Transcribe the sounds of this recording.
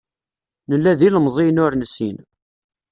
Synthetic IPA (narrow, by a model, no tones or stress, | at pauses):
nəlːæðiləmzˤijnʊɾnəsin